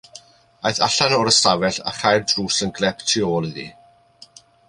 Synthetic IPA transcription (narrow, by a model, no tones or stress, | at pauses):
ajθa̰ɬanɔːɾəstavɛɬa̰χajrdruːsənɡlɛptʰioːlˠiðḭ